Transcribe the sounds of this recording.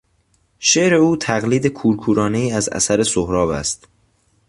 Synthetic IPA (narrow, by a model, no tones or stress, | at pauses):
ʃeːʔɾe̞uːt̪ʰæɣliːd̪e̞kʰuːɾkʰuːɾɒːne̞iːæzæ̰sæɾe̞sohɾɒːvæ̰st̪